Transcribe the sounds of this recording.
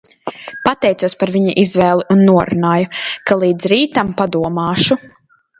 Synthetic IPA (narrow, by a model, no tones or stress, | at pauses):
pat̪ɛjt̪uɔspaɾviɲaʔizvɛːlˠiʔunːuɔɾunaːjukalˠiːd̪zɾiːt̪ampad̪uɔmaːʃu